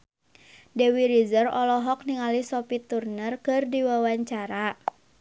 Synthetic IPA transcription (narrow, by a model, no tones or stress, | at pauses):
dɛwiɾizərɔlɔɦɔk̚niŋalisɔpit̪urnərkɨrdiwawaɲt͡ʃaɾa